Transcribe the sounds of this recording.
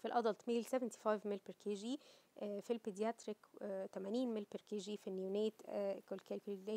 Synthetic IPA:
filʔɑd̪ɑlt̪miːlsevent̪i̥fɑjvmelpeɾkʰeʒi | filped̪jæt̪ɾikt̪æmæniːnmelpeɾkeʒifinːjuneːt̪kʊlkælkldeː

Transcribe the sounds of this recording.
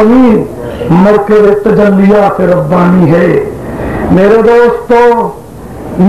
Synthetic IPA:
miː | mɐɾkeɾet̪ːd͡ʒɐlːijaseɾɐbːaːniɦɛː | meːɾed̪oːst̪o | n

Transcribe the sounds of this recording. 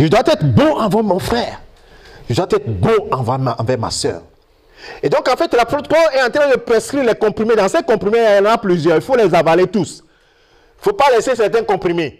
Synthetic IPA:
ʒəd̪wat̪ɛt̪bɔ̃ãvãmɔ̃fχɛːʁ | ʒəd̪wat̪ɛt̪χbɔ̃ãvãm̃ːvɛʁma̰sœ̰ːʁ | ed̪ɔ̃kɑ̃fɛt̪lapɾot̪pɔɛɑ̃t̪χɛ̃d̪əpʁɛskɾiʁlɛkɔ̃pχimed̪ãsɛkɔ̃pχimẽãjãnnaplyzjœʁilfolɛzavalet̪us | ilfopalɛsesɛʁt̪ɛ̃kɔ̃pχime

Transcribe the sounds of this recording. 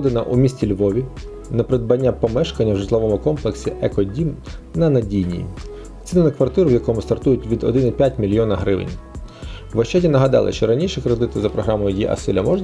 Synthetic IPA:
d̪enɐʔumʲisʲtʲilʲʋɔʋʲi | nɐpɾed̪̚bɐnʲːapɔmɛʃkɐnʲːɐwʐɪtʲlˠɔʋɔmʊkɔmplˠeksʲiʔɛkɔdʲimnɐnɐdʲijnʲḭ | t͡sʲinɪnɐkʋɐrt̪ɪɾʊʋjɐkɔmʊst̪ɐrt̪ujʊtʲʋʲid̪ɔ̰d̪ɪnɪpʲjatʲmʲilʲjɔnɐɦɾɪʋɪ̰nʲ | ʋɐʃt͡ʃadʲinɐɦɐd̪ɑ̰lˠɪ̰ʃt͡ʃɔɾɐnʲiʃikɾed̪ɪt̪ɪzɐpɾɔɦɾɑmɔjʊjiʔɐ̰sɪlʲɐmɔʒn

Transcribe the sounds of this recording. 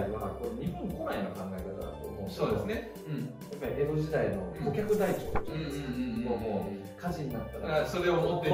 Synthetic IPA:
iβakonoɲ̟ipːõŋkonaino̞kãŋɡaekat̪a̰d̪a̰t̪oːmosoːd̪esne | ɯ̟̃ɴ | japːaɾʲieboʑid̪aino̞ɡokʲakɯ̟d̪ait͡ɕo̰ːd̪t̪o | oo | kʰaʑiɲ̟inat̪ːaasoɾe̞oot̪ːe

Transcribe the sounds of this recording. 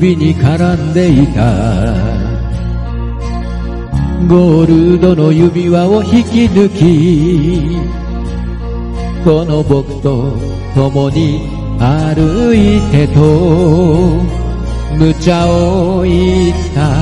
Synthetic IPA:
bʲiɲikaɾãnd̪e̞it̪a | ɡoɾɯ̟d̪o̞no̞jɯbʲiβaoçikʲinɯkʲi | ko̞nobokɯ̟̥t̪o | t̪omoɲi | aɾɯit̪e̞t̪o | mɯ̟t͡ɕaoit̪ːa

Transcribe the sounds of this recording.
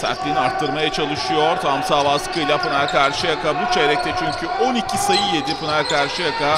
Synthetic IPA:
sa̰t̪lʲiniaɾt̪ʰːɯɾmajat͡ʃʰalˠɯʃɯjo̞ɾt̪ʰamsaːvaskʰɯjlʲˠapɯnaɾʲkʰaɾʃɯjakʰabut͡ʃʰeɾɛc̚t̪ʰɛt͡ʃʰyɲcʰyo̞nicʰisajɯjed̪ipɯnaɾʲkaɾʃɯjakʰa

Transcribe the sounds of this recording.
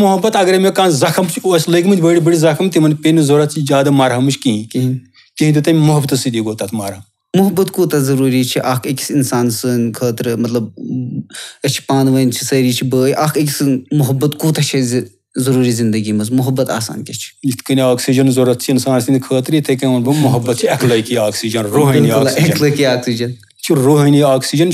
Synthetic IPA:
mʊɦɐbɐt̪ɐɡɐɾemekaːnzɐkʰɐmt͡ʃʰiɐslɐɡʲimɨnd̪ʲbəɽibəɽizɐkʰɐmt̪imɐnpʲenizoɾɐt̪t͡ʃʰizaːd̪ɐmaːɾɦɐmɨt͡ʃʰkiɦĩkiɦi | kiɦind̪it̪ɐmʲmʊɦɐbt̪ɐsid̪iɡoːt̪at̪ʰmaːɾɐm | mʊɦɐbːɐt̪kuːt̪ɐzɐɾuːɾit͡ʃʰiʔakʰɐkʲisinsaːnsɨnkʰəːt̪ɾɨmɐt̪lɐb | ɐt͡ʃʰi̥paːnʋɐnt͡ʃʰi̥sɐːɾiːt͡ʃʰibɨjʔaːkʰɐk̬ʲisɨmʊɦɐbːɐt̪kuːt̪ɐt͡ʃʰiz | zɐɾuːɾiːzind̪ɐɡimɐzmʊɦɐbːɐt̪a̰ːsa̰ːnkʲɐt͡ʃʰi̥it̪kɐniaːksid͡ʒɐnzɐɾɐt̪t͡ʃʰiːnsaːnsɨnd̪ʲkʰəːt̪ɾit̪ɐkɐɐnbɨmʊɦɐbːɐt̪t͡ʃʰiɐklɐkiaːksiːd͡ʒɐnɾoɦɐniaːkleklɐkiaːksid͡ʒɐn | t͡ʃʰiɾoːɦɐniaːksid͡ʒɐn

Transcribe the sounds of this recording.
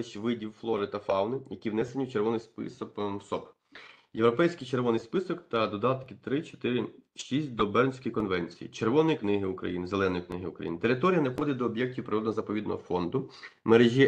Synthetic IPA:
ʃʋɪdʲiwflˠɔɾɪt̪ɐfɑwnɪjɐkʲiwnɛsenʲiwt͡ʃerʋɔnɪjspɪ̰sɔkmsɔp | jewɾɔpɛjsʲkɪjt͡ʃe̞ɾʋɔnɪjspɪsɔkt̪ɐd̪ɔd̪ɑt̪kɪt̪ɾɪt͡ʃɔ̥t̪ɪɾɪʃisʲt̚ʲd̪ɔbɛrnʲsʲkɔjkɔnʋɛnʲt͡sʲijḭt͡ʃerʋɔnɔjiknɪɦɪʊkɾɐ̰jinɪzelˠɛnɔjiknɪɦɪʊkɾɐ̰jḭnɪt̪e̞ɾɪt̪ɔɾʲijɐnɛfxɔd̪ɪt̚ʲd̪ɔːbʲjɛk̚tʲiwpɾeɾɔd̪ɐzɐpɔʋʲid̪nɔ̰ɦɔfɔnd̪ʊmeɾeʒʲi

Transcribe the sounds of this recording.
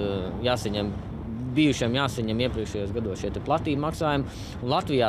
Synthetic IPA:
jaːsɐɲɛm | biːjuʃiɛmjaːsɐɲɛmiɛpɾiɛkʃɛjuɔsɡad̪uɔsʃiɛt̪ɛplˠat̪iːbmaksaːjum | lˠat̪ʋijaː

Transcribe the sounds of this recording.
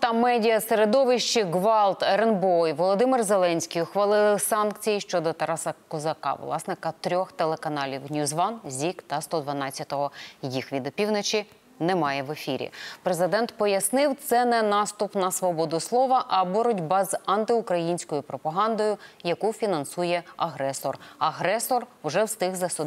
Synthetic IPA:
t̪ɐmɛdʲijɐseɾed̪ɔʋɪʃt͡ʃiɡʋɑlˠt̪ɛɾenbɔjʋɔlˠɔd̪ɪmɪrzelˠɛnʲsʲkʲijʊxʋɐlˠɪlˠɪsɑnkt͡sʲijiʃt͡ʃɔd̪ɔt̪ɐɾɑsɐkɔzɐkɑ̰ʋlˠɑ̰snɪkɐt̪ɾʲɔxt̪elˠekɐnɑlʲiwnʲjuzʋɑnzʲikt̪ɐst̪ɔd̪ʋɐnɑt͡sʲːɐt̪ɔɦɔjixʋʲid̪ɔpʲiwnɔt͡ʃi | nɛmɑjɛʋefʲiɾʲḭpɾezɪd̪ɛnt̪pɔjɐsnɪwt̪sɛnɛnɑst̪ʊpnɐsʋɔbɔd̪ʊslˠɔʋɐʔɐbɔɾɔdʲbɑzɐnt̪ɪʊkɾɐjinʲsʲkɔjʊpɾɔpɐɦɑnd̪ɔjʊjɐkufʲinɐnsujɛɐɦɾɛsɔrɐɦɾɛsɔrʊʒɛwst̪ɪɣzɐsʊ

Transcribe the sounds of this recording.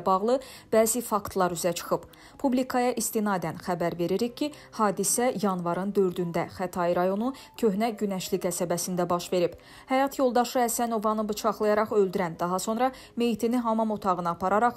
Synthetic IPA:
bɑʁlˠɯb̥æːzifɑkt̪ʰlˠɑɾyzæt͡ʃʰɯ̥χɯb | pʰublikʰɑjɑʔist̪inɑd̪ænxæbæɾve̞ɾiɾiçcʰːi | hɑːd̪isæjɑnvɑɾɯnd̪ø̞ɾd̪ynd̪æχæt̪ʰɑjiɾɑjo̞nu | cʰø̞ɦnæɟynæʃlikæsæbæsind̪æbɑʃve̞ɾib | hæjɑt̪ʰjo̞lˠd̪ɑʃɯæsæno̞vɑnɯbɯt͡ʃʰɑχlˠɯjɑɾɑχø̞ld̪yɾænd̪ɑɦɑso̞nɾɑ | me̞jit̪ʰiniɦɑmɑmot̪ʰɑʁɯnɯɑpʰɑɾɑɾɑχ

